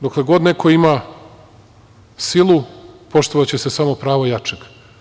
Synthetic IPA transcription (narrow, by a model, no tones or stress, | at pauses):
d̪oklˠeɡo̞d̪nekʰo̞ima | silˠupo̞ʃt̪oʋat͡ɕesesamo̞pɾaːʋojat͡ʂeɡ